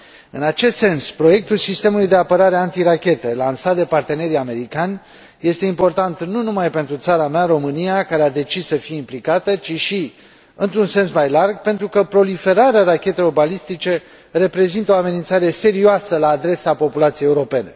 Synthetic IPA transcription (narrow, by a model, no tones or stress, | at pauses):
ɨnat͡ʃe̞st̪se̞nspɾo̞je̞k̚t̪ulsist̪e̞mulujd̪e̞apəɾaɾeant̪iɾakʲe̞t̪elansat̪̚d̪e̞part̪e̞ne̞ɾiame̞ɾikanʲ | je̞st̪e̞impo̞rt̪ant̪nunumajpe̞nt̪ɾut̪saɾameaɾo̞mɨnijakaɾe̞ad̪e̞t͡ʃissəfijeimplikat̪ət͡ʃiʃi | ɨnt̪ɾunse̞nsmajlarɡpe̞nt̪ɾukəpɾo̞life̞ɾaɾearakʲe̞t̪e̞lo̞rbalist̪it͡ʃe̞ | re̞pɾe̞zint̪əo̞ame̞nint̪saɾe̞se̞ɾioasəlaːd̪ɾe̞sapo̞pulat̪sijejuɾo̞pe̞ne̞̰